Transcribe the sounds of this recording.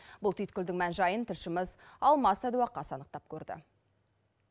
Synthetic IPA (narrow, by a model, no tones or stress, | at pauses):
bʊlˠt̪ʰyjt̪kʲʰʏld̪ɪŋmænʒɑjənt̪ʰɪɾʃɪməzɑlˠmɑsæd̪uwɑqːɑsɑnəqt̪ɑp̚kʲʰɵɾd̪ɪ̰